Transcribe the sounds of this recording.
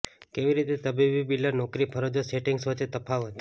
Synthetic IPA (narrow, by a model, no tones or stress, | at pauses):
keʋiɾit̪et̪əbibibilanɔkɾipʰəɾod͡ʒoseʈiŋɡsʋət͡ʃet̪əpʰaʋət̪